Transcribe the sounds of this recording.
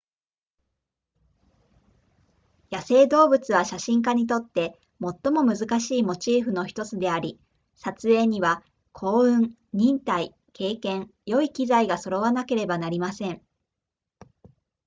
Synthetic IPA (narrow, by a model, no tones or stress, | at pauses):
jase̞ːd̪o̞ːbɯ̟t͡sɨβaɕaɕĩŋk̬aɲ̟it̪̬o̞t̪ːe̞ | mo̞t̪ːo̞mo̞mɯ̟zɨkaɕiːmo̞t͡ɕiːɸɯ̟no̞çi̥t̪o̞t͡sɨd̪e̞aɾʲi | sat͡sɨe̞ːɲ̟iβa | kʰo̞ːɯ̟̃ŋ | ɲ̟ĩnt̪ai | kʰe̞ːkẽ̞ŋjo̞ikʲizaiɡaso̞ɾo̞βanake̞ɾe̞banaɾʲimasẽ̞ɴ